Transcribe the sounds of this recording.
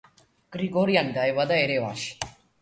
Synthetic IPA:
ɡ̥ɾiɡoːɾijand̪ajʋɐd̪aeɾeʋaːʃ

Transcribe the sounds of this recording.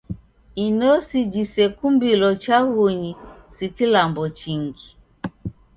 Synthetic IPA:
inɔsid͡ʒisɛkumbilɔt͡ʃaɣuɲisikilambɔt͡ʃiŋɡi

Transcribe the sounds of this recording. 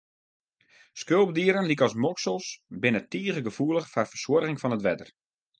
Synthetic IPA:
skølˠb̚diəɾənlikɔs̬mɔksəlˠsbɪnətiəɣəɡəfuələxfarfərswɔrɣɪŋfɔnətʋɛdər

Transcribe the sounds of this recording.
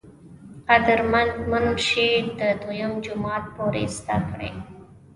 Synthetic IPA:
qad̪əɾmamənʃed̪əd̪ojəmd͡ʒʊmɑt̪̚poɾḛst̪akɽḛ

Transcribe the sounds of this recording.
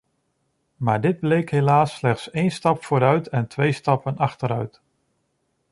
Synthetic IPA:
maːɹdɪd̚blejkɦelaːsːlɛχtsejnstɑpfoːɾœɥtʰɛntʋejstɑpənɑχtəɾœɥt

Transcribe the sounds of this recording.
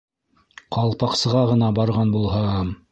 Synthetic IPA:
qɑlˠpɑqsɤ̆ʁɑʁɤ̆nɑbɑɾʁɑnbulˠhɑm

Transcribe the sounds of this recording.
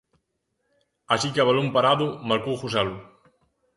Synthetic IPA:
asikeaβalompaɾaðʊmaɾkowxusalʊ

